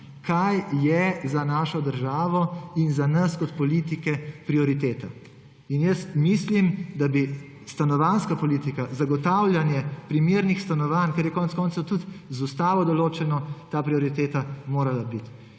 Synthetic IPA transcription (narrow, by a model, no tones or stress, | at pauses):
kʰajːjɛzanaːʃɔd̪əɾʒaːʋɔinzanɐskɔt̪pɔliːt̪ikɛpɾiɔɾit̪eːt̪a | injəst̪mislimd̪abi | st̪anɔʋanskapɔliːt̪ikazaɡɔt̪awljanjɛpɾimeɾnixst̪anɔʋankɛɾjɛkɔːnt̪skɔːnt̪sot̪ut̪zust̪aːʋɔd̪ɔloːt͡ʃɛnɔt̪aːpɾiɔɾit̪eːt̪amoːɾalabit̪